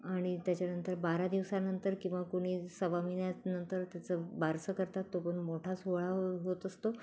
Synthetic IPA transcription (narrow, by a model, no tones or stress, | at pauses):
aɽ̃it̪jat͡ɕjanənt̪əɾbaɾad̪iʋsanənt̪əɾkĩw̃ʋakoɽ̃iːsəʋamiɳjanənt̪əɾt̪jat͡səbʱaɾsəkəɾt̪at̪ːopəɳmoʈʰasuɭaɦot̪əst̪o